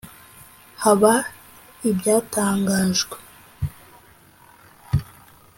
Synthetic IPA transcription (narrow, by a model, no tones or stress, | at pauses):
haβa | ibjaːtaːŋɡaːʒɡwe